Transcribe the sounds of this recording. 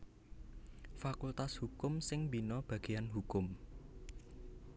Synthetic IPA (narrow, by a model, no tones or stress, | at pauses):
fakult̪ashukʊmsɪŋbinɔb̥ä̤ɡ̥e̤janɦukʊm